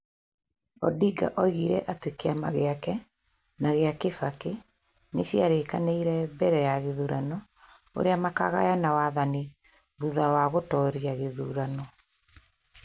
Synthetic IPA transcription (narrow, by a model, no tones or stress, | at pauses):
ɔ̰diɡa̰ʔɔiɣiɾɛʔatekeamaɣeakɛ | naɣeakefake | neɕjaɾekaneiɾɛbɛɾɛjaɣeðuɾanɔ | o̰ɾeamaka̰ɣa̰janawaðani | ðuðawaɣotɔɾiaɣeðṵɾanɔ